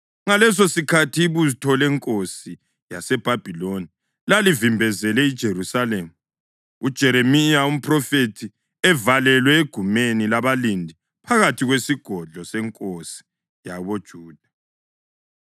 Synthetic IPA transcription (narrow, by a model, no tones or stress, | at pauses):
ŋalɛs̬osikʰatʰiβuzitʰɔlɛŋkʼosi | jasɛb̥ʱab̥ʱiloni | lalivimbʱɛzɛlɛid̥ʒ̥ʱeɾusalemu | ud̥ʒ̥ʱɛɾemijaum̩pʰʼrɔfetʰi | ɛvalɛlwɛeɡ̥ʱumenilaβalindʱi | pʰaɣatʰiɣwesiɡ̥ʱɔɮʱɔsɛŋkʼosi̥ | jaβod̥ʒ̥ʱuːd̥ʱa